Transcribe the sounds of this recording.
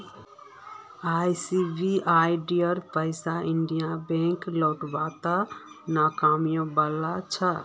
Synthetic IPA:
ajsibʱiʔajɖijəɾpəɪsaiɳɖijabẽŋklɔwʈbat̪anakamijõbəlat͡ʃʰə

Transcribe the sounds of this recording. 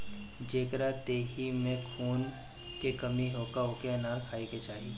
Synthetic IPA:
d͡ʒeːkɾat̪eːɦimẽkʰuːn | kekɐmiɦoːkaɦoːkenaːɾkʰaːiket͡ʃaːi

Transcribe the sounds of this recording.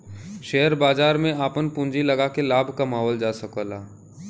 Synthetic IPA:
ʃeɦəɾbaːd͡ʒaːɾmẽaːpənpũɲd͡ʒilɐɡakelaːbʱkamaːɦɔːld͡ʒaːsəkoːlaː

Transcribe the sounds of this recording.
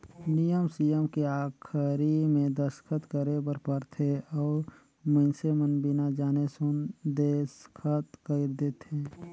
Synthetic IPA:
nijəmsijəmkeaːkʰɾimẽd̪əskʰət̪kəɾebəɾpəɾt̪ʰeɔːɾ | mə̃nsemənbɪnad͡ʒaːnesʊnd̪eskʰət̪kəɪɾd̪eːt̪ɦeː

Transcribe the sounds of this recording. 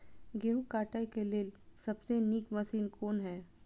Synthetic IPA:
ɡeːɦukaːʈəjkeleːlsɐbsenikmɐsiːnkʰoːnɦɛː

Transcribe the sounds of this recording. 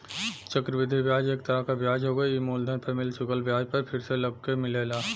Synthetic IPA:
t͡ʃəkɾəʋɪd̪ʱiʋjaːd͡ʒeːk̚t̪əɾəkaʋjaːd͡ʒɦoɡɐiimoːld̪ʱənpəmɪlt͡ʃʊkəlʋjaːd͡ʒpɐɾpʰɪɾselɐb̚kemɪleːlaː

